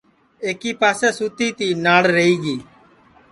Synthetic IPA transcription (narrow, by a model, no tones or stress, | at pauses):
eːkiːpaːsɛːsuːt̪iːt̪iːnaːɽɾəɦiːɡiː